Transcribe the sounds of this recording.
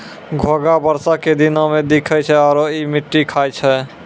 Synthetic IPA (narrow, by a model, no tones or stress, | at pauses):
ɡʱoɡabəɾsaked̪inamed̪ikʰɛt͡ʃʰɛɔːɾoimiʈːikʰajt͡ʃʰɛ